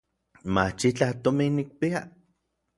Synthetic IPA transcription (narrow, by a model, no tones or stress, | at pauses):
mat͡ʃit͡ɬaht̪ominːik̚pia